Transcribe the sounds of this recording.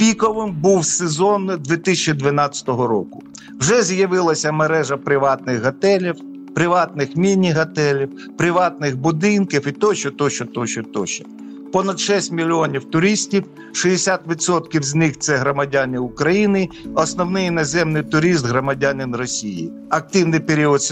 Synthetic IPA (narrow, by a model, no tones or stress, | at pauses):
pʲikɔʋɪmbuwsezɔnd̪ʲʋʲit̪isʲɐt͡ʃid̪ʋɪnɑt͡sʲɐ̥t̪ɔɦɔɾɔkʊ̥ | wʒɛzʲjɐʋɪlˠɐsʲɐmeɾɛʒɐpɾɪʋɑt̪̚nɪxɦɐt̪ɛlʲiw | pɾɪʋɑt̪̚nɪxmʲinʲiɦɐt̪ɛlʲiw | pɾɪʋɑt̪̚nɪxbʊd̪ɪnkiwit̪ɔt͡ʃɔt̪ɔʃɔt̪ɔt͡ʃɔt̪ɔʃɔ̥ | pɔnɐd̪ʃɛsʲtʲmʲilʲiɔnʲiwt̪ʊɾʲisʲtʲiw | ʃijɪsʲat̪ʋʲit̪sɔt̪kʲiwzʲnɪxt̪sɛɦɾɔmɐdʲanʲiʊkɾɐjinɪɔsnɔwnɪjinɐzɛmnɪjt̪ʊɾʲis̬t̪ɦɾɔmɐdʲanʲɪnrɔsʲijḭ | ɐk̚t̪ɪwnɪjpeɾʲiɔt̪s